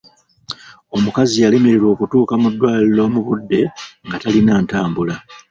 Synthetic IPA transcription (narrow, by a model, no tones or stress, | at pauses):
o̞mukazijale̞me̞ɾeɾo̞ːkutuːkamudːwaːllo̞ːmuβudːe̞ŋɡatalinaːntaːmbula